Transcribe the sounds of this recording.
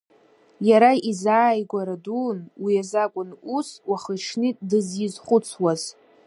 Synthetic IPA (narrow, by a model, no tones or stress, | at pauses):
jaɾaizaːjɡʷaɾadunwijazakʷʼʊnuswaχəʈ͡ʂʰnɨtʼdɨzjizχʷʊt͡sʰwaz̥